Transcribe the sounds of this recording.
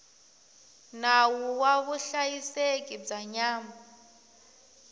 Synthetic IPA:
nawuwaβuɬajisek̬ib͡ʐaɲaːma

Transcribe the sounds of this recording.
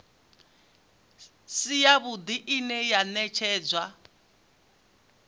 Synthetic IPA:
sijaβud̪iʔinɛjanɛt͡ʃʰɛːd͡zwa

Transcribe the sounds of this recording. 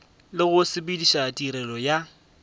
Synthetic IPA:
lɪɣʊsɪbidiʃatʼiɾɛlɔja

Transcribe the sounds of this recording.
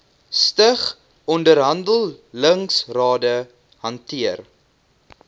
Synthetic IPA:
stəχ | ɔndəɾɦɐndəlˠləŋsrɑːdə | hɐntiər

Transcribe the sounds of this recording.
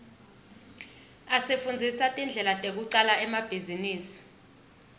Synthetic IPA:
asefund͡zʱisatʼind͡ɮʱɛlatʼek̬uǀalaɛmab̥ʱiziniːsi̥

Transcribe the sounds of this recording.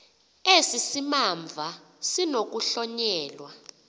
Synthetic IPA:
esisimamɱvʱa | sinok̬uɬɔɲɛːlwa

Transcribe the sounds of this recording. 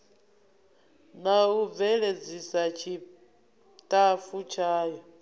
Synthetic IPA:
nauvɛɺed͡zisat͡ʃʰi | tʼafut͡ʃʰaːjɔ

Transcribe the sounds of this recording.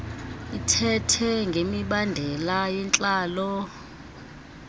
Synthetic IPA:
itʰɛtʰɛŋɡʱemiɓandʱɛlajɛnt͡ɬʼaːlɔ

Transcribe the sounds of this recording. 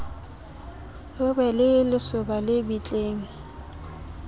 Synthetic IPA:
lʊbɛlɪlɪsʊbalɪbit͡ɬʼeːŋ̩

